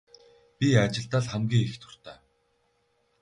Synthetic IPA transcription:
pʲiat͡ɕɪ̆ɮt̪aːɮχæmɡʲiːŋext̪ʰʊ̥r̥t̪æː

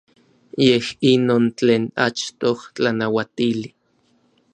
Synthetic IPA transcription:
jehinoːnt͡ɬeːna̰t͡ʃt̪oht͡ɬanawat̪ili

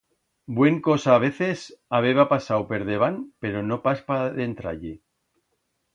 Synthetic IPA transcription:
bwe̞ŋkosaːβ̞e̞θe̞saβ̞e̞βapasawpe̞ɾð̞eβ̞anpe̞ɾo̞no̞paspaðent̪ɾa̰ʎe

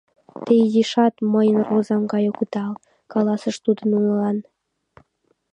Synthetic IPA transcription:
t̪ejiʃɑt̪məjənrozɑmɡɑjokut̪ɑl | kɑlɑsəʃt̪ud̪ə̆nunəlɑn

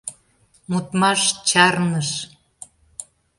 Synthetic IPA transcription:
mut̪mɑʃt͡ɕɑrnəʃ

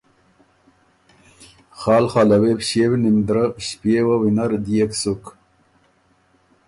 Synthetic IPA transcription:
χaːlχaːlawepɕeːwinimd̪ɾəɕpewawinaɾd̪ijeksuk

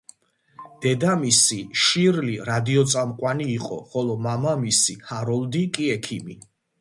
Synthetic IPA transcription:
d̪̥ɛd̪amisiʃiɾliɾad̪iɔt̪sʼamqʼwaniːqʼɔ̰χɔlɔmamamisihaɾɔld̪ikʼiɛkʰimi

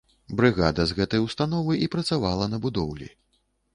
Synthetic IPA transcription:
bɾɨɣad̪ɐzɣɛt̪ɐjwst̪anɔvɨʔipɾɐt̪savalˠɐnɐbud̪ɔwlʲḭ

